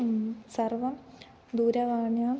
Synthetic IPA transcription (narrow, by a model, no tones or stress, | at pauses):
sɐrʋɐm | d̪uːɾɐʋaːɳjaː